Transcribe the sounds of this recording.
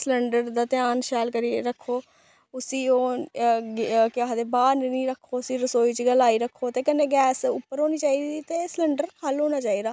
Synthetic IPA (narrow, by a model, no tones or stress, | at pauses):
sləɳɖəɾd̪aːt̪ɪjaːnʃɛːlkəɾiːɾəkʰːoː | ʊsiːoː | kɪaːɦd̪eːbaːɾnnĩːɾəkʰːoːʊsĩːɾəsoːiːt͡ʃɡəlaːiːɾəkʰːoːt̪eːkɪnːeːɡɛːsʊpːəɾɦoːniːt͡ʃaːiːd̪iːt̪eːsləɳɖəɾkəlɦoːnaːt͡ʃaːiːd̪aː